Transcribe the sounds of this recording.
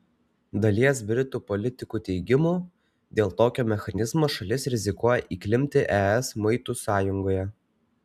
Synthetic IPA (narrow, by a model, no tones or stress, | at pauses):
d̪ɐlʲiɛsbʲɾʲɪt̪uːpɔlʲɪt̪ʲɪkuːt̪ʲɛɪɡʲɪmuː | d̪ʲeːlˠt̪oːkʲoːmʲɛxɐnʲɪzmoːʃɐlʲɪsɾʲɪzʲɪkuɔjɛʔiːklʲɪmʲt̪ʲɪʔɛɛsmɐɪt̪uːsɑːjʊŋɡoːjɛ